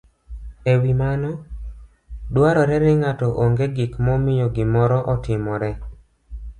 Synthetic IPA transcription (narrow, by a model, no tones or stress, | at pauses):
ewimanɔ | dwaɾɔɾɛnɪŋatɔʔoŋɡeɡɪkmɔmɪjoɡɪmɔɾɔʔɔtɪmɔɾɛ